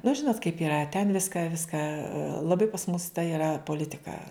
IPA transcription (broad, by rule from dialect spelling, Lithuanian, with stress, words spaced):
nʊ ˈʒʲɪnoːt kɐɪp ɪˈrɐ tʲɛn ˈʋʲɪskɑː ˈʋʲɪskɑː lˠɐˈbɐɪ pɐs mʊs tɐ ɪˈrɐ poːˈlʲɪtʲɪkɐ